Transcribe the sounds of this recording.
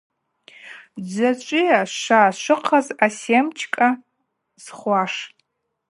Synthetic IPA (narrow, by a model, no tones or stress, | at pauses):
d͡zaʈ͡ʂʷʼɪjaʃaʃʷɨqʰazasemt͡ʃʰkʼa | z̥χʷaʂ